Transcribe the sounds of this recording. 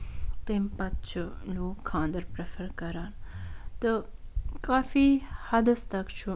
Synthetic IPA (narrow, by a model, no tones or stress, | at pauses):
t̪eːmpɐt̪̚t͡ʃʰuloːkʰːãːnd̪əɾpɾefəɾkɐɾaːnt̪ɨkaːfiːhɐd̪əst̪ɐkt͡ʃʰu